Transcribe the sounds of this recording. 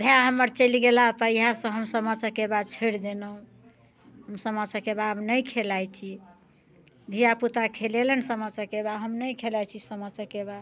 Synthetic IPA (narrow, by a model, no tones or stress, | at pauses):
bʱjaɦəməɾt͡ʃəliɡelapəiɦasə̃ɦəmsəmət͡ʃəkebad̪̚t͡ʃʰoɾd̪enəɦũ | ɦəmsəmət͡ʃʰəkebabnəjkʰelajt͡ʃʰi | d̪ʱijaput̪akʰelelənsəmət͡ʃʰəkebaɦəmnəjkʰelajt͡ʃʰisəmət͡ʃʰəkebad̪